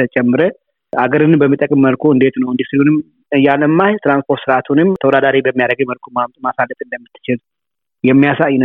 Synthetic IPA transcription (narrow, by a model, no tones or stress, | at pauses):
ət͡ʃʼɛmːɨɾə | aɡəɾɨnbəmːit̪ʼəkʼmːəlkʰoɨnd̪et̪nəwɨnd̪isɨlunɨm | ɨjaləmːaht̪ʰɨɾanspʰo̞ɾt̪sɨɾat̪ʰunɨmt̪ʰəwɔd̪ad̪aɾibəmːijaɾəɡəməlkʰomamt̪ʼmasalːət̪ʼɨnd̪əmːit̪ːɨ̥t͡ʃɪl | jɛmːijasajn